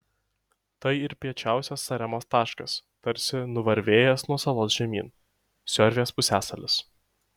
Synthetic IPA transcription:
t̪ɐɪɪɾpʲiɛt͡ʃʲæˑʊsʲɛsːɐɾʲɛmoːst̪ɑːʃkɐst̪ɐɾʲsʲɪnʊʋɐɾʲʋʲeːjɛsnuɔsɐlˠoːsʒʲɛmʲḭːn | sʲɔɾʲʋʲeːspʊsʲæːsɐlʲɪs

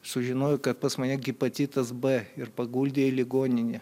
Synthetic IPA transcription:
sʊʒʲɪnoːjʊkɐt̪̚pɐsmɐnʲɛɡʲɪpɐt͡s̪ʲiːt̪ɐsbɛɪɾpɐɡuːlʲd̪ʲeːlʲɪɡoːnʲɪnʲɪ

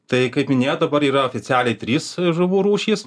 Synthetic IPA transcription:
t̪ɐɪkɐɪpmʲɪnʲeːjod̪ɐbɐɾiːɾɐoːfʲɪsʲæːlʲɛɪt̪ʲɾʲiːsʒʊʋuːɾuːʃʲiːs

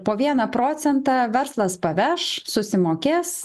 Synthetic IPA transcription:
poːʋʲiɛnɐpɾoːt̪sʲɛnt̪ɑːʋʲɛɾslˠɐspɐʋʲɛʃsʊsʲɪmoːkʲeːs

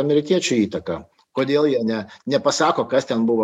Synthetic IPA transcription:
ɐmʲɛɾʲɪkʲiɛt͡ʃʲʊiːt̪ɐkɐ | koːd̪ʲeːlˠjiɛnʲɛnʲɛpɐsɑːkoːkɐst̪ʲɛnbʊʋoː

